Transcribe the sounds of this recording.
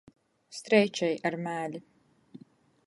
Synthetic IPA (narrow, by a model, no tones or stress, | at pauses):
st̪ɾɛjt͡ʃɛjaɾmæːlʲi